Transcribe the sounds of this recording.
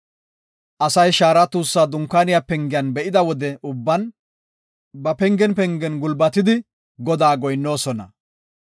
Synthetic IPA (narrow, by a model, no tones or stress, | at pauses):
ʔɐsɐjʃaːɾɐt̪uːsːaːd̪ʊŋkːaːnɪjapɛŋɡɪjɐnbɛʔɪd̪ɐwɔd̪ɛʊbːɐn | bɐpɛŋɡɛnpɛŋɡɛnɡʊlbɐt̪ɪd̪ɪ | ɡɔd̪aːɡɔjnːo̞ːsɔnɐ̰